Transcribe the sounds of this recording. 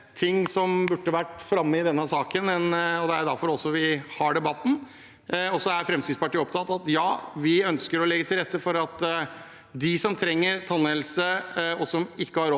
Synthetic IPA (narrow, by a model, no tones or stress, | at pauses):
t̪ʰɪŋːsɔmbʉʈːəʋæʈːfɾɑmːəɪd̪ɛnːəsɑːkənɛnɔd̪ɛæɾd̪æɾfɔɾɔsːɔʋɪhɑɖɛbɑt̪ːn̩ | ɔsɔæɾfɾɛmsɪspɑʈʰiːɔp̚t̪ʰɑt̪ːɑt̪jɑːʋɪœnskəɾɔlɛɡːət̪ʰɪlɾɛt̪ːəfɔɾɑt̪ | d̪ɪsɔmt̪ʰɾɛŋːəɾt̪ʰɑnːelsəɔsɔmɪkːəhɑɾɔ